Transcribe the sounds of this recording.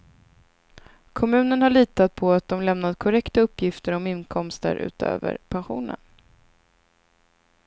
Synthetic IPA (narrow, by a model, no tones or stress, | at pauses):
kʰɔmʉ̟ːnənhaɭiːt̪at̪̚pʰɔat̪̚d̪ɔmlɛmnad̪kʰɔɾɛkt̪aɵpːjɪft̪əɾɔmɪnkʰɔmst̪ə̰ɾʉ̟̰ːt̪ʰø̰ːvə̰ɾpʰanɧuːnə̰n